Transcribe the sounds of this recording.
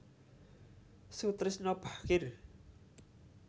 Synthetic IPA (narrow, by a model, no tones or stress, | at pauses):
sut̪ɾɪsnɔb̥akɪr